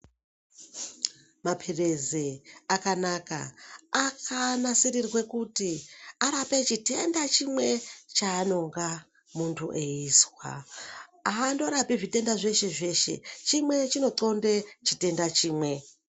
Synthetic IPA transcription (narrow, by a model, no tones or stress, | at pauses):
mapʰirezeakanaka̰akanasiɾirwe̞kutiaɾape̞t͡ʃite̞ndat͡ʃimwe̞t͡ʃaːno̞ŋɡa | muntʰṵʔeiːswa̰ | aːndo̞ɾapiʐite̞ndaʐe̞ʃe̞ʐe̞ʃe̞̰t͡ʃimwe̞t͡ʃino̞ǀo̞ndet͡ʃite̞ndat͡ʃiːmwe̞